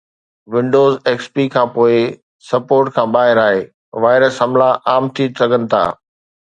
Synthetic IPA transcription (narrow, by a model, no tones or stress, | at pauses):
ʋɪ̃ɳɖoːzeːkspikʰãːpoːɪ | sɐpoːɾʈkʰãːɓaːɦɪɾaːɦeː | ʋaːɪɾəsɦɐmlaʔaːmt̪ʰisɐɡʱənɪ̆t̪ʰa̰ː